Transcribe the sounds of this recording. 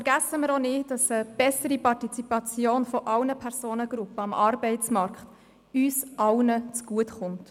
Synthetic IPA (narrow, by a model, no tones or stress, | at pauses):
fɛɾɡæsəməɾonɪːd̥ɑsəb̥ɛsəɾipɑrtit͡sipɑt͡sjoːnfɔʔɑwnəpʰɛɾsoːnəɡ̥ɾʊpːəɑmʔɑɾb̥ɛɪt͡smɑɾkχt | yːsʔɑlnət͡sɡ̥uətχʊnt